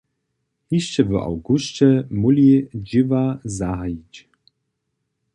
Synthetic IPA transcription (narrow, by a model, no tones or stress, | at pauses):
hiʃt͡ɕɛvəʔa̰wɡuʃt͡ɕɛmulʲid͡ʑivazaɦajit͡ɕ